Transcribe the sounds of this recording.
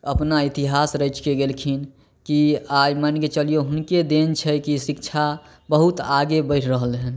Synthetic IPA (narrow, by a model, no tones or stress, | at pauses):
əpnait̪iɦasɾət͡ʃkeɡelkʰin | kiajmənket͡ʃəlijoɦʊnked̪ent͡ʃʰɛkisikt͡ʃʰa | bəɦut̪aɡebəɪʈʰɾəɦəlɦɛn